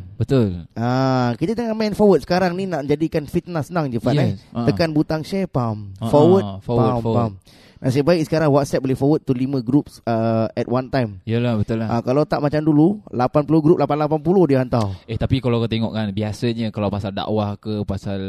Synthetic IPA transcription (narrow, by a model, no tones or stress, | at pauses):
bət̪ulʔakit̪ət̪əŋamɛnfɔwət̪̚sə̥kaɾaŋninaʔd͡ʒadikanfit̪̚nasənaŋd͡ʒəfaʔɛt̪əkanbut̪aŋʃɛpamfɔwətfɔwəmam | nasajəbaiʔ̚sə̥kaɾaŋwat̪̚sɛp̚bolɪhfɔwət̪̚ːulimə̃ɡɾupsəɛt̪want̪ajmijəlabət̪ulaakalawt̪aʔmat͡ʃamdululapanpulohɡɾup̚lapanlapanpulohdiəant̪aweht̪apikalakat̪eŋɔ̰ʔkanbiasəɲəkalawpasalda̰ʔwahkəpasal